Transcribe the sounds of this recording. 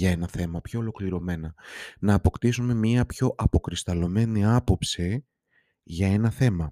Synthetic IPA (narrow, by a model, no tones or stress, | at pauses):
ʝɐe̞nɐθe̞mɐpço̞ːlo̞kliɾo̞me̞nɐnɐːpo̞kt̪isume̞mɲiɐpço̞ʔɐpo̞kɾist̪ɐlo̞me̞niɐpo̞psi | ʝɐe̞nɐθe̞mɐ